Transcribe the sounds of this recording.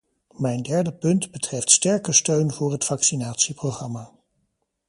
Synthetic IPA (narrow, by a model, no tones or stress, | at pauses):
mɛjndɛɹdəpɵndbətrɛftstɛɹkəstøɥnvʊːɹɦətfɑksinaːtsiprowχrɑmaː